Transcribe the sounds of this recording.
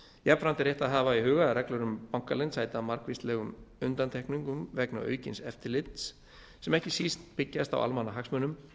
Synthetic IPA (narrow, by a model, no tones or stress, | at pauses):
jɛpfɾant̪ɪɾjɛht̪aðɦaːvaiɦʏːɣaɾɛklœɾʏmpawŋkalɛnshaːjt̪amaɾkvist̪lɛːɣʏmʏnt̪ant̪ʰɛhkniŋkʏmvɛkna̰œ̰ːɥcɪnsɛft̪ɪlɪt̪s | sɛmɛhcɪsist̪pɪcːast̪a̰wʔa̰lmanːaɦaksmœnʏm